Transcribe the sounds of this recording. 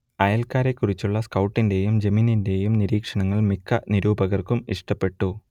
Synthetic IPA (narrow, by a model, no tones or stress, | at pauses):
ɐjɐlkaːɾe̞kːurit͡ɕːuɭːɐskɐwʈːinde̞jumd͡ʑɐmiːninde̞jumniɾiːkʂɐɳɐŋːɐɭmikːɐniɾuːbɐɣɐrkumḭʂʈɐpːe̞ʈːu